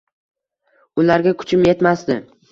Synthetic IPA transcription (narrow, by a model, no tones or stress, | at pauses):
ʊlaɾɡʲakʰʊ̥t͡ʃʰɪmje̞t̪masd̪ɪ